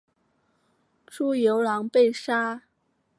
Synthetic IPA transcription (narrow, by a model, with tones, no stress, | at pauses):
ʈ͡ʂu˥jo˧˥ʊlɑ˧˥ŋpe˥˩ɪʂa˥